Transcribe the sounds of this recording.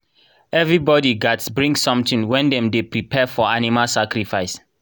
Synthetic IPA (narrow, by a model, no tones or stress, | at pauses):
ɛvɹibɔdiɡatsbɹĩŋsɔ̃mtĩŋwɛ̃ndɛ̃mdepɹipʰɛfɔanimalsakɹifajs